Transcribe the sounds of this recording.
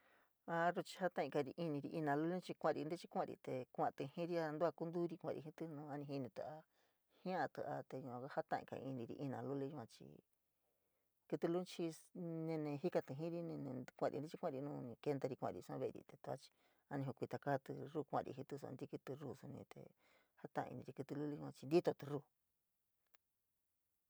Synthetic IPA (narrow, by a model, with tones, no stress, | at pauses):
a˧ru˧t͡ʃi̥˧ha˦t̪ã˦˨ĩ˧ka˧ɾi˧ʔi˧nĩ˧ɾi˧ʔi˧nã˧lu˦le˦t͡ʃi˧kʷã˦˧ɾḭ˧nd̪e˦t͡ʃi˦kʷã˦˧ɾḭ˧t̪e˧kʷã˧t̪ɨ˧hĩ˦ɾi˧a˧nd̪u˦a˧ku˦nd̪u˦ɾi˧kʷã˧˨ɾḭ˧ɦi˧t̪ɨ˧nũ˧a˧nĩ˧hi˧nĩ˧t̪ɨ˧a˧ | hĩ˦ã˦˧t̪ɨ˧ʔa˧t̪e˧ɲũ˧ã˧ka˦ha˦t̪ã˦˧ʔḭ̃˧ka̰˧i˧nĩ˧ɾḭ˧ʔi˧nã˧lu˦le˧ũ˧ã˧t͡ʃḭ˧ | kɨ˧t̪u˧lu˦˧t͡ʃi˧nẽ˧nẽ˧hi˦ka˧t̪ɨ˧ɦĩ˦ɾi˦nẽ˧nẽ˧kʷã˧ɾi˧ndi˦t͡ʃi˧kʷã˦˧ɾi˧nũː˧nĩ˧ke˧nd̪a˧ɾi˧kʷã̰˧˨˧ɾḭ˧sã̰˦βe˧ɾḭ˧t̪e˧t̪u˧a̰˦t͡ʃi̥˧ | a˧nĩ˧ɦo˧kʷi˧t̪a˧kaː˦t̪ɨ˧ruː˦˧kʷã̰˧ɾʔḭ˧ɦĩ˧t̪ɨ˧s̬ṵ˧a̰˧d̪i˧˦kɨ˧t̪ɨ˧ruː˦˨su˧nḭ̃˧t̪ḛ˧ | ha˦t̪ã̰˧˨˧ḭ˧nĩ˧ɾi˧kɨ˧t̪ɨ˧lu˦le˧˦ʒũ˦ã˧t͡ʃi˧nd̪i˦t̪o˧t̪ɨ˧ruː˧˨